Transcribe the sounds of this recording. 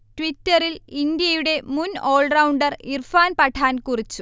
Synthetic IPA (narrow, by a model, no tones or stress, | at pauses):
tʋitːɐrilind̪jɐjuɽe̞muno̞ːɭrɐwɳɖɐrirfaːnpɐʈʰaːnkurit͡ɕːu